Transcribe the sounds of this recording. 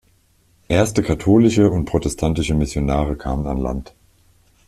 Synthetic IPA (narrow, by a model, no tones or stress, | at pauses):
ʔeːɐstəkʰatʰoːlɪʃəʊnt̚pʁ̥otɛstʰantɪʃəmɪsjonaːʁəkʰaːməna̰nla̰nt